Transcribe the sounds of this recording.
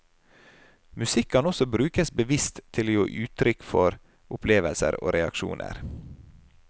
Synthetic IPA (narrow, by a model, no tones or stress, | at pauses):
mʉsɪkʰːɑnɔsɔbɾʉːkəsbəʋɪst̪ʰːɪljoːʔʉːt̪ʰɾʏkfɔɾ | ʊpʰleːʋəlsə̰ɾo̰ːɾʔɛɑkʃṵːnʔə̰ɾ